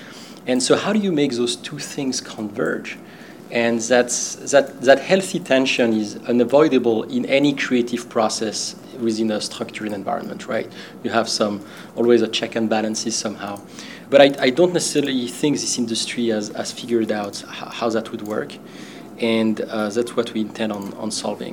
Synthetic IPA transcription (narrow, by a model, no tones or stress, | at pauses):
ɨ̃nsoʊhaʊɾɨjɨmeɪk̚ðoz̥tʰuθɪ̃ŋz̥kʰɑ̃nvɜ̰˞d͡ʒ | ɨ̃nðætsðɨtðɨthɛlˠθitʰɛ̃nʃɨ̃nɪzʌ̃nəvɔɪɾəbəl̩ˠɪ̃nɛnikʰɹ̥ieɪtɪv̥pʰɹ̥ɔsɛs | wɪðɪ̃nəstʰɹ̥ʌk̚t͡ʃəɹɨ̃nɛ̃nva̰ɪɹə̰̃nmə̰̃ntʰɹa̰ɪt | jɨæv̥sʌ̃m | ɔlˠwizət͡ʃʰɛkɨ̃nbælə̃nsɪz̥sʌ̃mhaʊ | b̥ʌɾaɪajdõʊ̃ntnɛsɛ̥sɛɹəliθɪ̃ŋk̚ðɪsɪ̃ndɨstʰɹ̥iæzæ̰z̥fɪɡjə˞daʊthahaʊðæt̚ʰwɨd̚wɜ̰˞k | ʔɨ̃nʌðætswʌtʰwiɨ̃ntʰɛ̃nd̃n̩ə̰̃nsɑ̰lˠvɪ̰̃ŋ